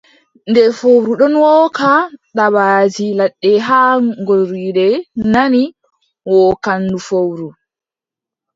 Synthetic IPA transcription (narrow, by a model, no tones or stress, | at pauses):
ndɛfowɾuɗɔnwɔːkaɗabaːd͡ʒilaɗːɛɦaŋɡoɾiɗɛnani | wɔːkandufowɾu